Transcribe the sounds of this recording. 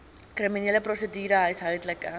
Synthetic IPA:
kriminiːləprosədiːɾəɦəjsɦœwdləkə

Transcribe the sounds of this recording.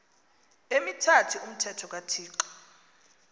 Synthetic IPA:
emitʰatʰuum̩tʰɛtʰɔk̬ʼatʰiːǃɔ̥

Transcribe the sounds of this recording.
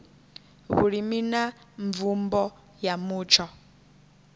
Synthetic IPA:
βṵɺimina | ɱvumbɔ | jamuːt͡ʃʰɔ

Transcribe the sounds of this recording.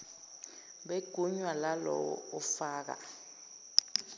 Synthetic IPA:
ɓeɡ̥ʱuɲwalalɔwɔ̰ɔfaːk̬a̰

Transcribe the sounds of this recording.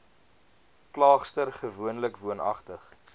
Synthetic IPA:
klɑːχstərχəvuənləkvuənɐ̰χtəχ

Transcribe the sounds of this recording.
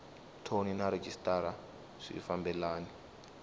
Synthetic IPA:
tʰoninaɾed͡ʒistʼaɾa | ʂḭːfambɛlaːni

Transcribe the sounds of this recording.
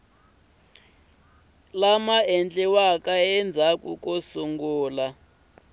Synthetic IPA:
lamaɛnt͡ɬʼɛwakʼaɛnd͡zʱakʼukʼosuŋɡuːla

